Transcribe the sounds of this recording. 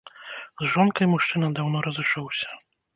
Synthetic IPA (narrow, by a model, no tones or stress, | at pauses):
zʐɔnkajmuʂt͡ʂɘnad̪awnɔɾɔzɛʂɔwɕɛ